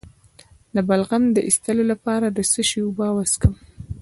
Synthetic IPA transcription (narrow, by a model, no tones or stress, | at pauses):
labalɣamd̪əʔist̪əlolapɑɾad̪əsəʃiubɑwaskəm